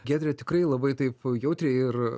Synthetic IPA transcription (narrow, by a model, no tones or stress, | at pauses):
ɡʲæːd̪ʲɾʲet̪ʲɪkɾɐɪlˠɐbɐɪt̪ɐɪpjɛʊt̪ʲɾʲeːɪr